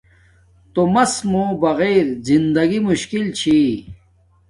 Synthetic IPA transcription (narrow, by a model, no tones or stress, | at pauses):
t̪omɐsmubɐɣeːɾzind̪ɐɡimuɕkilt͡ɕʰi